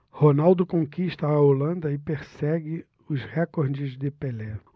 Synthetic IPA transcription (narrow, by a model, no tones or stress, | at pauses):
honawd̪ʊkõŋkiʃt̪ɐːolɐ̃nd̪ɐɪpeɾsɛɡɪ | ʊzhɛkoɾd͡ʒɪzd̪ɪpelɛ